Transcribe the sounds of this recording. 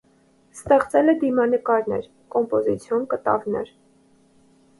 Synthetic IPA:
st̪ɛχt͡sɛlɛd̪imɑnəkɑɾnɛ̰ɾ | kɔmpɔzit͡sʰjɔnkət̪ɑ̰vnɛ̰ɾ

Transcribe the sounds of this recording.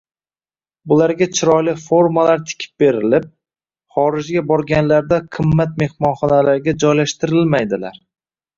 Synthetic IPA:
bʊlaɾɡʲat͡ʃʰɪɾɒjlɪfo̞ɾmalaɾt̪ʰɪ̥kʲʰɪ̥p̚be̞ɾɪlɪp̚ | χɒɾɪd͡ʒɡʲabɒɾɡʲanlaɾd̪aqʰɨmːat̪̚me̞hmɒnχɒnalaɾɡʲad͡ʒɒjlaʃt̪ɪɾɪlmajd̪ɪlaɾ

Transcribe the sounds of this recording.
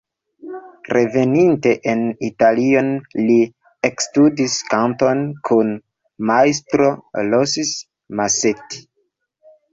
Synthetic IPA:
rʔe̞ve̞ninte̞ʔenitalio̞nli | ekstudiskanto̞nkʰun | majs̬tɾolosis | maseti̥

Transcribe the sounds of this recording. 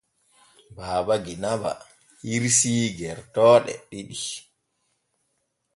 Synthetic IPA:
baːbaɡinaba̰ | hiɾsiːɡɛɾtɔːɗɛ̰ɗiɗi

